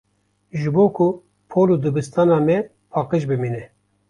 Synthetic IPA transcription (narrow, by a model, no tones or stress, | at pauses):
ʒɨboːkʰu | pʰoːlud̪ɨbɨst̪ɑːnɑːmɛ | pʰɑːqɨʃbɨmiːnɛ